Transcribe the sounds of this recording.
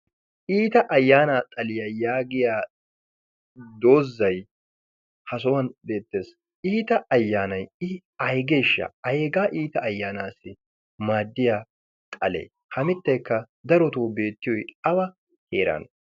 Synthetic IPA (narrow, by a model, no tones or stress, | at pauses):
ʔiːt̪ɐʔɐjːaːnaːt̪ʼɐlɪjajaːɡɪjaː | d̪o̞ːzːɐj | hɐs̬ɔwɐnbe̞ːt̪ːe̞ːs | iːt̪ɐʔɐjːaːnɐjɪ | ɐjɡe̞ːʃːɐ̰ɐeːɡaːʔiːt̪ɐːjːaːnaːsːɪ | maːd̪ːɪjaː | t̪ʼɐlḛː | hɐmɪt̪ːɐjkːɐ | d̪ɐɾɔt̪oːbe̞ːt̪ːɪjɔjɐbɐ | heːɾa̰ːn